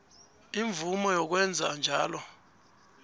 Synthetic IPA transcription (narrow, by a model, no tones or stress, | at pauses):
iɱvumɔjɔk̬wɛnd͡zʱand͡ʒʱaːlɔ